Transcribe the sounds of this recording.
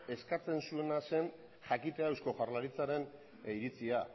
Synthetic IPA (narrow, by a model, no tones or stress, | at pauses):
e̞skat͡se̞nsue̞nase̞n | ʝakit̪eawsko̞xarlaɾit͡saɾe̞n | iɾit͡sia